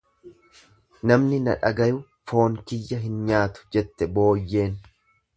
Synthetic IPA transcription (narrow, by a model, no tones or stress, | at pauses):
nɐmnɪnɐ̰ᶑɐɡɐjʊ | fo̞ːŋkɪjːɐɦɪnɲaːt̪ʊ̥d͡ʒɛt̪ːɛbo̞ːjːe̞ːn